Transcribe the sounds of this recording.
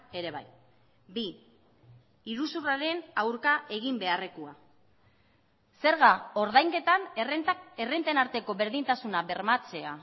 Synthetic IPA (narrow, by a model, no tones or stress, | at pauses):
e̞ɾe̞βaj | bi | ɾusuraɾe̞nawɾkaʔe̞ɣ̞imbe̞arekua | se̞ɾɣao̞ɾðajŋke̞t̪an | erent̪enaɾt̪e̞ko̞βe̞ɾðint̪asunaβe̞ɾmat͡se̞a